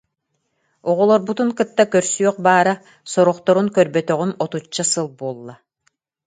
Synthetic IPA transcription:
ɔʁɔlˠɔɾbut̪uŋkɯt̪ːakœɾsyœq̚baːɾa | sɔɾɔχt̪ɔɾunkœɾbœt̪œʁynɔt̪ut͡ʃːasɯlˠbuɔlˠːa

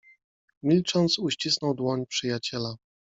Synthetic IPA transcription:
mʲilt͡ʂɔnt̪suɕt͡ɕisnɔwd̪wɔɲpʂɘjat͡ɕɛla

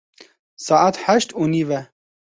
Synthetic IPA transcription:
sɑːʔat̪ħæʃt̪univɛ

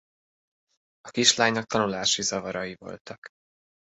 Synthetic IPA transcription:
ɒkiʃlaːɲnɒk̚t̪ɒnulaːʃizɒvɒɾɒjivo̞̰lt̪ɒk

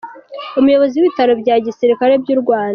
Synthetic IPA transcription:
umujo̞βo̞ziwiβitaɾo̞bɟaɟisiɾikaɾe̞bjuːɾɡwaːna

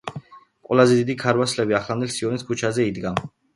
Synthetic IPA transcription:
qʼwɛlazɛd̪id̪ikʰaɾwaslɛbiaχland̪ɛlsiɔniskʰut͡ʃʰazɛid̪ɡa

